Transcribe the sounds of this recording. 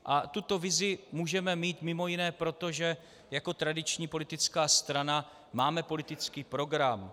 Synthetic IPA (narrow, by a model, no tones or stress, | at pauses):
ʔat̪ut̪o̞vɪzɪmuːʒɛmɛmiːt̪mɪmo̞jɪnɛːpɾo̞t̪o̞ʒɛ | jako̞t̪ɾadɪt͡ʃɲiːpo̞lɪt̪ɪt͡skaːst̪ɾana | maːmɛpo̞lɪt̪ɪt͡skiːpɾo̞ɡɾam